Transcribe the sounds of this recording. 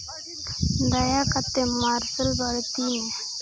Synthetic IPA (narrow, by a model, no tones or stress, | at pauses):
d̪əjakət̪ːemaɾsəlbaɽt̪inẽ